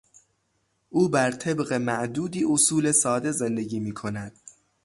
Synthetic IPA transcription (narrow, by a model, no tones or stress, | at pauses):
ʔuːbæɾt̪ʰe̞bɣe̞mæʔd̪uːd̪iːʔosuːle̞sɒːd̪e̞zend̪e̞ɟiːmiːkʰo̞næd̪̥